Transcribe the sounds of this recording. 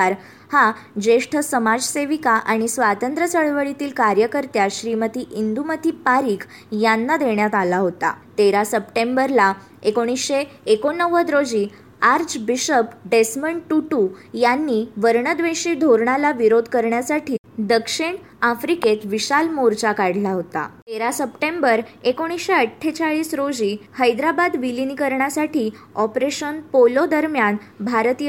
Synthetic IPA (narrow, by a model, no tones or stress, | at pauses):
ɾ | had͡ʑeʂʈʰəsəmad͡zseʋikaʔaɽ̃isʋat̪ənt̪ɾət͡səɭʋəɭit̪iːlkaɾjəkəɾt̪jaɕɾimət̪iːʔind̪umət̪iːpaɾiːk | janːad̪eɳjat̪alaɦot̪a̰t̪eɾasəpʈẽmbəɾla | ekoɽ̃isɕeːkonːəʋəd̪ɾod͡ʑiː | aɾd͡ʑbiɕəpɖesməɳʈuʈujanːiʋəɾɳəd̪ʋeɕiːd̪ʱoɾɳalaʋiɾod̪ʱkəɾɳjasaʈiː | d̪əkʂiɳ | afɾiket̪ʋiɕalmoɾt͡ɕakaɽ̤laɦot̪a̰t̪eɾasəpʈẽmbəɾekoɽ̃isɕeəʈʰːet͡saɭiːsɾod͡ʑiːhəjd̪ɾabad̪ʋilinikəɾɳjasaʈiː | ɔpɾeɕənpolod̪əɾmjanbʱaɾt̪i